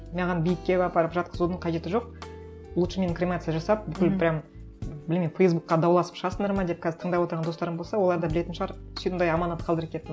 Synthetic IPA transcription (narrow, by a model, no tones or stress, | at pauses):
nɑʁɑnbijɪkʲːe̞bɑbɑɾəpʒɑt̪̚qəzud̪əɴqʰɑʒe̞t̪ɪʒo̞q̚ | ʊlˠʃəmʲe̞nɪkɾʲemnat̪sɨjaʒɑsɑp̚bʏkʲɪlbɪɾɑm | bɪlmʲenfejzbuk̚qɑd̪ɑwlˠɑsə̥pʃɑsənd̪əɾmɑd̪e̞p̚kʰʲæzɪt̪ʰəɴd̪ɑpwot̪əɾʁɑd̪o̞st̪ɑɾəmbo̞lˠsɑwo̞lˠɑɾd̪ɑbɪle̞t̪ɪnʃəʁɑɾ | sij̪nd̪ɑjɑmɑnɑt̪qʰɑlˠd̪əɾəkʲʰet̪ːɪn